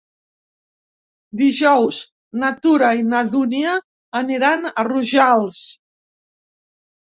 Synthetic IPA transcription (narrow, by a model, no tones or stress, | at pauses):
d̪iʒɔwz | nat̪uɾainaðuniəː | niɾanəruʒalˠs